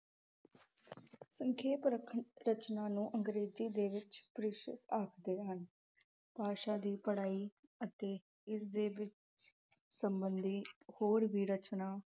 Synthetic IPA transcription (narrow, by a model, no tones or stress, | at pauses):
səŋkʰeːpɾəkʰəɾət͡ʃnaːnũːʔəŋɡɾeːd͡ʒiːd̪eːʋɪt͡ʃpəɾɪʃə̰saːkʰd̪eːɦən | paːʃaːd̪iːpəɽaːiː | ət̪eː | ɪsd̪eːʋɪt͡ʃ | səmbənd̪iːhoːɾʋiːɾət͡ʃnaː